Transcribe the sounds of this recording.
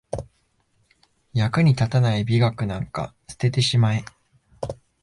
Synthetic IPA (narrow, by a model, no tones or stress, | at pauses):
jakɯ̟ɲ̟it̪at̪anaibʲiɡakɯ̟nãŋka̰t͡sɨ̥t̪e̞t̪̬e̞ɕimai